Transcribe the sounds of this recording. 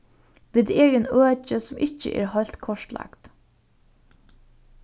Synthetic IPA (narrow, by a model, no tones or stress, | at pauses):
ʋɪːd̪eːɡənøːt͡ʃəsɔmʔɪçə̰ʔḛːɾhɔlt̪kʰɔʂt̪lʔɑ̰kt̪